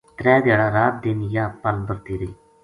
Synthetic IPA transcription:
t̪ɾɛːd̪eːɽaːɾaːt̪̚d̪eːnjaːpəlbəɾt̪iːɾeː

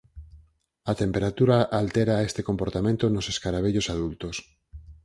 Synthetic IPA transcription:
ɐt̪empeɾat̪uɾaʔalt̪eɾaest̪ekompoɾt̪amẽnt̪onoseskaɾaβ̞eʎosaðult̪os

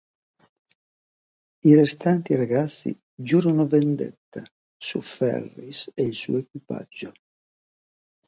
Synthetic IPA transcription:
irɛst̪ant̪iɾaɡat̪sːḭ | d͡ʒuːɾunʊvend̪ɛ̰t̪ːa | sṵfɛ̰rːiseilsṵːekwipa̰d͡ʒːʊ

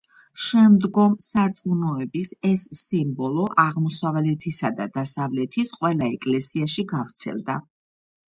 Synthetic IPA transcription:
ʃɛmd̪ɡɔmsaɾt̪sʼmunɔɛbisɛsːimbɔlˠɔʔaʁmɔsavlɛt̪ʰisad̪ad̪asavlɛt̪ʰisqʼwɛlˠaɛkʼlɛsiaʃiɡavɾt̪sʰɛ̰lˠd̪a

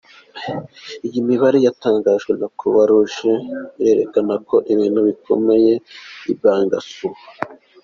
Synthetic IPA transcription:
ijimiβaɾejataːŋɡaːʒɡwenakʰuβaɾuʒeiɾe̞ːɾḛkanako̞ʔiβiːnhuβikʰo̞̰me̞je̞ib̚aːŋɡa̰suh

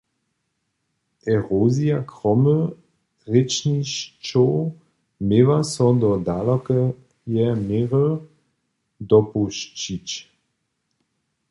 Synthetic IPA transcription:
ʔɛʁoːzijakʁɔmə | ʁɪt͡ʃniɕt͡ʃo | mevasɔd̪ɔd̪alɔkə | jɛmeʁə | d̪ɔpuʃt͡ɕit͡ɕ

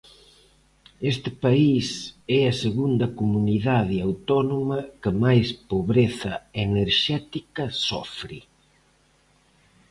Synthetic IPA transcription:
est̪ɪpaisɛɐseɣund̪ɐkomuniðaðɪawt̪ɔnomɐkɪmajspoβɾeθɐeneɾʃɛt̪ikɐsɔ̰fɾi

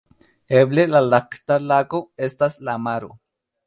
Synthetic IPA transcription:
eblelalaqt̪alakoest̪aslamaɾṵ

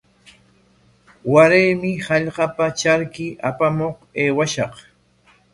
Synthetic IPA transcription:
waɾejmɪhɑʎɢɑpat͡ʃaɾkɪʔapamoχeːwaʃɑq

